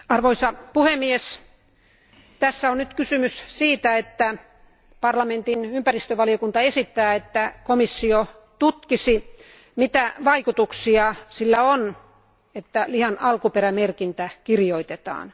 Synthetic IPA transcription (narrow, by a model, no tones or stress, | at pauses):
ɑrʋoisɑpuhemːies | t̪æsːæonnyt̪kysymyssiːt̪æet̪ːæ | pɑrlɑment̪inympærist̪øʋɑlijokunt̪ɑesit̪ːæːet̪ːækomisːio | t̪ut̪kisi | mit̪æʋɑikut̪uksiɑsilːæon | et̪ːælihɑnʔɑlkupeɾæmerkint̪ækirjoit̪et̪ɑ̰ːn